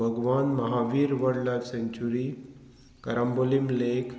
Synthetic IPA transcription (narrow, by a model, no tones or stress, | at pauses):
əɡʋanməɦaʋiːɾʋəɽlaseɲt͡ɕuɾi | kəɾambolimlek